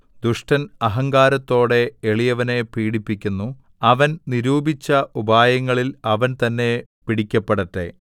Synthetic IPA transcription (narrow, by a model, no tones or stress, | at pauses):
d̪uʂʈɐnɐɦɐŋɡaːɾɐt̪ːo̞ːɽe̞ːɭijɐʋɐne̞piːɽipːikʲːunːu | ɐʋɐnniɾuːbʱit͡ɕːɐubaːjɐŋːɐɭilɐʋɐnt̪ɐnːe̞piɽikʲːɐpːeɽɐʈːe̞̰